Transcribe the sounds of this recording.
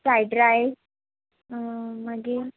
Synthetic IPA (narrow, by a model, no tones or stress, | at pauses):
sajɖɾaj | məɡe